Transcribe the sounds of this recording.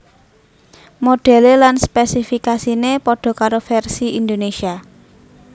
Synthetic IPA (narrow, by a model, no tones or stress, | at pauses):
moɖ̥ɛ̤lelanspɛsifikasinepɔɖ̥ɔ̤kaɾofɛrsiind̪onesia